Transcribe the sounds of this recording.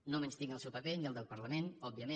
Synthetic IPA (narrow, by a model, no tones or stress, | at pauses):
nomenst̪iŋəlˠsɛwpəpeniəlˠd̪əlˠpəɾləmenɔb̚biəme